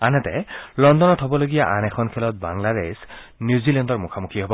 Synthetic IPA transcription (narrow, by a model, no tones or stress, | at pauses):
anɛtɛ̰lɔndɔnɔtɦɔbɔloɡijaʔanɛxʰɔnkʰɛlɔt̚ba̰ŋlades | njuzilɛndɔɹmukʰamukʰiɦobɔ